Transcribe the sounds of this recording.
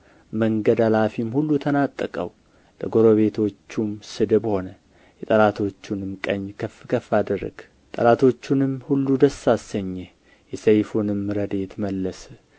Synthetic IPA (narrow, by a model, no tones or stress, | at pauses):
məŋɡəd̪alafimhulːut̪ʰənat̪ʼːəkʼə̰w | ləɡo̞ɾoβe̞t̪ʰo̞t͡ʃːumsɨd̪ɨbho̞nə | jɛt̪ʼəlat̪ʰo̞t͡ʃːunɨmkʼəɲːkʰəfkʰəfad̪ərːə̰ɡ̥ | t̪ʼəlat̪ʰo̞t͡ʃːunɨmhulːud̪əsːasəɲːe | jɛsəjfunɨmːɨɾəd̪e̞t̪məlːəs